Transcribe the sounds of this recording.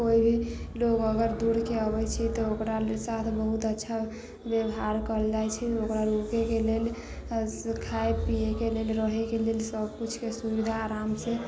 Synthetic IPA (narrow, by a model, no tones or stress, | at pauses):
koibʱiloɡəɡəɾd̪uɽkeəbɛt͡ʃʰɛt̪ɔokɾasat̪ʰbəɦut̪ətːʃʰa | bjəwɦaɾkəld͡ʒajt͡ʃʰɛokɾaɾukekelel | kʰaepijekelelɾəɦɛkelelsəbkut͡ʃʰkesubid̪ʱaːɾamsẽ